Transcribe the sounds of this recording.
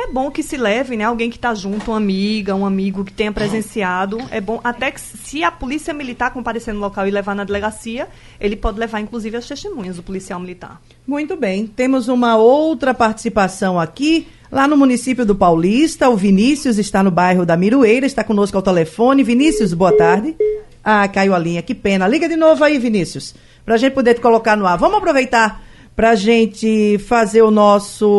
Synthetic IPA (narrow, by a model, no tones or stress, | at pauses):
ɛbõkɪsɪlɛvɪnɛawɡẽj̃kɪ̥t̪aʒũnt̪ʊũɐmiɡɐũɐmiɡʊkɪ̥t̪ẽj̃ɲ̃ɐpɾezẽsiad̪ʊɛbõʔat̪ɛksɪɐpolisiɐmilit̪aɾkõmpaɾesẽnʊlɔkawɪlevaɾnɐd̪eleɡasiɐ | elɪpɔd̪ɪlevaɾĩŋkluzivɪɐst̪eʃt̪emũɲɐzd̪ʊpolisiawmilit̪a̰ɾ | mũj̃t̪ʊbẽj̃t̪ẽmʊzũmɐowt̪ɾɐpaɾt͡ʃi̥sipasɐ̃w̃aki | lanʊmũnisipjʊd̪ʊpawlist̪ɐʊvinisiʊzɪst̪anʊbajɦʊd̪ɐmiɾuejɾɐɪʃt̪akõnoskʊawt̪elefõnɪvinisiʊs̬boɐt̪aɾd̪ɪ | akaiwalĩɲɐkɪpẽnɐliɡɐd̪ɪnovʊaivinisiʊs | pɾɐaʒẽt̪ɪpod̪eɾt̪ɪkolokaɾnʊaɾvɐ̃mʊzapɾovejt̪aɾ | pɾɐːʒẽnt͡ʃ̪ɪfazeɾʊnɔsʊ